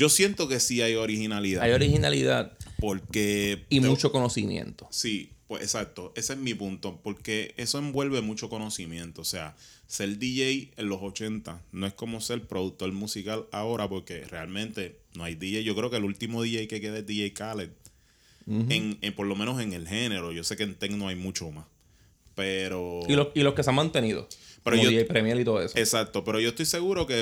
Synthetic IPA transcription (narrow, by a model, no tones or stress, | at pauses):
d͡ʒo̞sje̞nt̪o̞ke̞siajo̞ɾihinaliðaajoɾihinaliðaðpo̞ɾke̞imut͡ʃokonosimjḛ̃nt̪osipwesesak̚t̪o̞ʔe̞seesmipunt̪o̞po̞ɾke̞eso̞e̞mbwe̞lβe̞mut͡ʃo̞ko̞no̞simjẽ̞nt̪o̞ːse̞a | se̞ld̪iʝejenlo̞so̞t͡ʃe̞nt̪anoe̞sko̞mo̞se̞lpɾo̞ðuk̚t̪o̞lmusikalao̞ɾapo̞ɾke̞re̞almẽ̞nt̪e̞no̞ajd̪iʝejd͡ʒo̞kɾeo̞kelult̪imoðiʝejke̞ke̞ðaed̪iʝejkalet̪̚ | eŋepo̞ɾlo̞menose̞ŋe̞lɦe̞ne̞ɾo̞ʝo̞se̞kent̪eknoajmut͡ʃo̞mas | pe̞ɾo̞iloiloskeseaŋmãnt̪e̞niðo̰pe̞ɾooejpɾemjalit̪oðoesoesak̚t̪o̞pe̞ɾo̞ʝost̪ojse̞ɣuɾo̞ke